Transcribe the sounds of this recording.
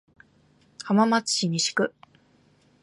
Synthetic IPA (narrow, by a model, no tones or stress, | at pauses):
hamamat͡sɨ̥ɕiɲ̟iɕi̥kɯ̟